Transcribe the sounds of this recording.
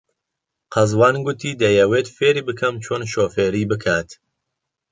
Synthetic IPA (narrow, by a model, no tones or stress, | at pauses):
qʰɐzwɑːnɡʊt̪ʰiːd̪ɐjɛweːt̪feːɾiːbɨkʰɐmt͡ʃʰoːnʃoːfeːɾiːbɨkʰaːt̪